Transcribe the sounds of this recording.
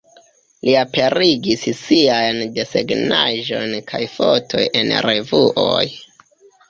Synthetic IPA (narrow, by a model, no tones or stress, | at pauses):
liape̞ɾiɡissiajnde̞seɡna̰ʒo̞nkʰajfotʰo̞je̞̰nɾe̞vuʔo̰j